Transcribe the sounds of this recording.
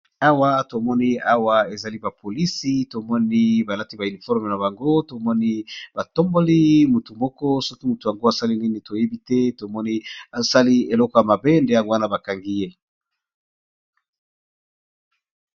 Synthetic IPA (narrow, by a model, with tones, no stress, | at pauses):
a˦wa˦to˨mɔ˦ni˦a˦wa˦e˨za˨li˦ba˨pʰo˨li˦si˦to˨mɔ˦ni˦ba˨la˦ti˦ba˨y˨ni˨fɔ˦ʁme˨na˨ba˨ŋɡo˦to˨mɔ˦ni˦ba˨tɔ˦mbo˦li˦mu˨tu˨mɔ˦kɔ˦so˦ki˦mu˨tu˨ja˨ŋɡo˦a˨sa˦li˦ni˦ni˨to˨je˦bi˦tɛ˦to˨mɔ˦ni˦a˨sa˦li˦e˨lɔ˦kɔ˨ja˨ma˨be˦nde˨ja˦ŋɡwa˦na˨ba˨ka˨ŋɡi˦je˦